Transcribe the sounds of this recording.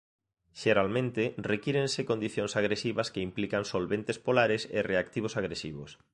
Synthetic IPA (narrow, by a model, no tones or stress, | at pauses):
ʃeɾalmẽnt̪ɪrekiɾẽnsekond̪iθjoŋsaɣ̞ɾesiβɐskeimplikaŋsolβent̪espolaɾɪsḛreakt̪iβ̞osaɣɾesiβos